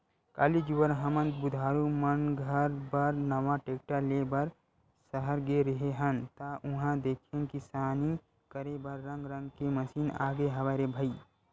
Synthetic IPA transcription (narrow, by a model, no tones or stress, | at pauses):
ka̰ːlid͡ʒuʋəɾɦəmə̃nt̪̚bʊd̪ʱaːɾumənɡʱəɾbəɾnəʋaʈek̚ʈalebəɾ | səɦəɾɡeɾəɦeɦənt̪aʔʊɦãd̪eːkʰẽnkisaːni | kəɾebəɾːə̃ŋɡɾə̃ŋɡkeməsiːna̰ːɡeɦəʋaːɾebʱəi